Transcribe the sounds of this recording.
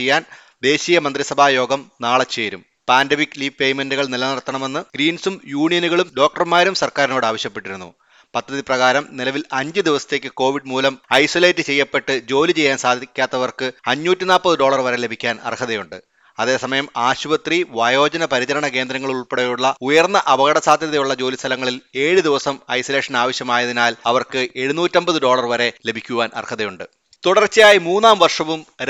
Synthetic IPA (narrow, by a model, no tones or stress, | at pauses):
ejːaːn | d̪e̞ːɕijɐmɐnd̪risɐbʱaːjo̞ːɡɐmnaːɭɐt͡ɕːe̞ːɾum | paːndemikːliːʋpe̞jmenduɣɐɭnilɐnɐrt̪ːɐɳɐme̞nːɨɡ̥ɾiːnsumjuːɳijɐnuɣɐɭumɖo̞ːk̚ʈɐrmaːɾumsɐrkaːɾino̞ːɽaːʋɐɕjɐpːeʈːiɾunːṵ | pɐd̪ʱːɐðiprɐɣaːɾɐmnilɐʋilɐɲd͡ʑɨd̪iʋɐsɐ̥t̪ːe̞ːkːɨko̞ːʋiɖmuːlɐmɐjsole̞ːtːɨt͡ɕe̞jːɐpːe̞ʈːɨd͡ʑo̞ːlit͡ɕe̞jːaːnsaːd̪ʱikʲːaːt̪ːɐʋɐrkɨɐɲːuːtːinaːpːɐðɨɖo̞ːɭɐrʋɐɾe̞le̞bʱikʲːaːnɐ̰rkʰɐðɐjuɳɖɨ | ɐðe̞sɐmɐjɐmaːɕuʋɐt̪riʋaːjo̞ːd͡ʑɐnɐpɐɾit͡ɕɐɾɐɳɐke̞ːnd̪ɾɐŋːɐɭiɭuɭpeɽejuɭːɐujɐrnːɐʔɐbɐɣɐɽɐsaːd̪ʱjɐðɐjuɭːɐd͡ʑo̞ːlist̪ʰɐlɐŋːɐɭile̞ːɻɨd̪iʋɐsɐmɐ̰jsɐle̞ːʂɐnaːʋɐɕjɐmaːjɐðinaːlɐʋɐrkɨe̞ɻunuːtːɐmbɐðɨɖo̞ːɭɐrʋɐɾe̞le̞bʱikʲːuʋaːnʔɐ̰rkʰɐðɐjuɳɖɨ | t̪uɽɐrt͡ɕːjaːjimuːnːaːmʋɐrʂɐʋum